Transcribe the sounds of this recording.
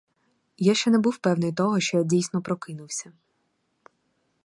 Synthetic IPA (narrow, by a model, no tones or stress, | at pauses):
jaʃt͡ʃɛnɛbuwpɛwnɪjt̪ɔɦɔʃt͡ʃɔjadʲijsnɔpɾɔkɪnʊwsʲɐ